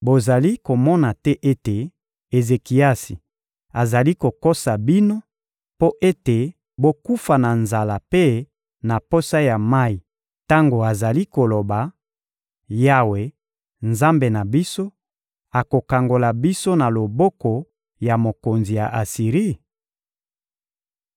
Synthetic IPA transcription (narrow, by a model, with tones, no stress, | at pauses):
bo˨za˨li˦ko˨mɔ˦na˨tɛ˦ʔe˦te˨ | e˨ze˨ki˨a˦si˨ | a˨za˨li˦ko˨ko˦sa˨bi˦no˦ | po˦ʔe˦te˨ | bo˦ku˦fa˨na˨nza˨la˨pe˦ | na˨po˦sa˦ja˨ma˦i˨ | ta˦ŋɡo˨a˨za˨li˦ko˨lo˨ba˨ | ja˦we˨ | nza˦mbe˨na˨bi˦so˦ | a˨ko˨ka˨ŋɡo˨la˨bi˦so˦na˨lo˨bɔ˦kɔ˨ | ja˨mo˨ko˨nzi˨ja˨ʔa˨si˨ʁi˦